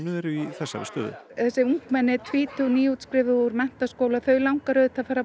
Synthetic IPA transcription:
nʏðɛɾʏiθɛsːa̰vɪ̰st̪œːðʏ̰θɛsɪuŋkmɛnːɪt̪ʰviːt̪ʰuniːut̪skɾɪvɪuɾmɛn̥t̪askoːwlaθœɥlawŋkaɾœðt̪ʰafaːɾa

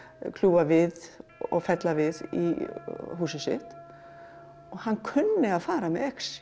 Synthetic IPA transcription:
kʰlʉbaʋɪðɔ̰fɛt̪laʋɪðḭɦusəsɪ̰t̪ | ɔhankʰʉnːəafaːɾamɛɛks

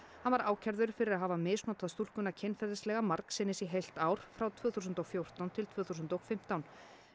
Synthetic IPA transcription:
hanvaɾaːwcʰaɾðʏɾ̥fɪɾɪɾaðɦaːvamɪːsnɔt̪aðst̪ulkʏnːacʰɪnfɛɾðɪslɛɣamaɾksɪnːɪsiɦejl̥t̪aːwɾ̥fɾawt̪ʰvʏːθuːsʏnt̪ɔɣfjow̥t̪awnt̪ʰɪlt̪ʰvʏːθuːs̬ʏnt̪ɔɣfɪm̥t̪awn

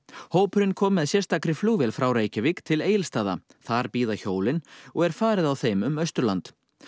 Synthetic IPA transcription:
hoːwpʏɾɪnkʰɔːmɛðsjɛrst̪akɾɪfluːvɛlfɾawɾeːjcɪvikt̪ʰɪleːjɪlst̪aːða̰ | θaɾpiːðaçoːwlɪnɔɣɛɾ̥faːɾɪðawθejmʏmœɥst̪ʏɾlant̪

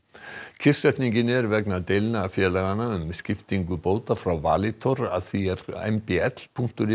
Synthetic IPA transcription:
cʰɪ̥sɛt̪niŋcɪnɛɾvɛknat̪eːjlnaːfjɛːlɛɣanaʏmscɪft̪iŋkʏpoːwt̪afɾawva̰ːlɪt̪ʰɔɾaðθiɛɾɛ̰mpɛɛt̪l̥pʰuŋ̥t̪ʏɾɪ

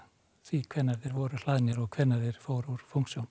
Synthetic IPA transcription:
θvikʰvɛnːaɾðɪɾvɔɾʏl̥aːðnɪɾɔɣkʰvɛnːaɾðɪɾ̥foːwɾuɾ̥fuŋ̥ksjown

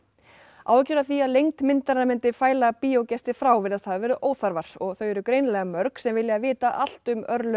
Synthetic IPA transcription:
aːwcʏɾaθiaðlejŋkt̪mɪnt̪aɾnamɪnt̪ɪfaːjlapiːowcɛst̪ɪfɾaːwvɪðast̪havavɛːɾɪðʔoːwθaɾvaɾ̥ɔɣθœɥjɛɾʏkɾeːjnlɛɣamœɾksɛmvɪlːjɪavɪːt̪aʔal̥t̪ʏmœɾlʏ

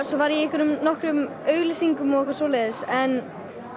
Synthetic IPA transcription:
sɔvaɾjɛɪhkvɪɾʏmnɔhkɾʏm | œːɥlɪsiŋkʏmɔɣɪhkvaɾsoːleðɪsɛn

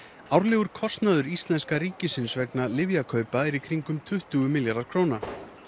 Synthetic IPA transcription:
awɾlɛːɣʏɾ̥kʰɔst̪naðʏɾist̪lɛnskaɾiːcɪsɪnsvɛknalɪvjakʰœːɥpaɛɾikʰɾiŋkʏmt̪ʰʏht̪uɣʏmɪljaɾðaɾ̥kʰɾowna

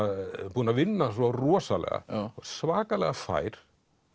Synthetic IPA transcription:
buːnavɪnːasɔruɔsalɛ̰ɣa̰ɔsvaːkalɛɣafa̰jɾ

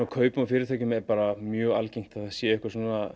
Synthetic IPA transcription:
akʰœːɥpʏmfɪɾɪɾt̪ʰɛːcʏmɛɾpaːɾamjœːɣalcejŋ̥t̪aθsjɛɛɪhkvasuːna

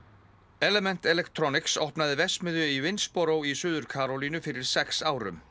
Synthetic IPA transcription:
ɛlɛmɛn̥t̪ɛlɛkt̪ɾɔnɪksɔhpnaðɪvɛsmɪðjʏivɪnspɔɾowisʏːðʏɾ̥kʰaːɾɔlinʏfɪɾɪɾ̥sɛksaːwɾʏ̰m

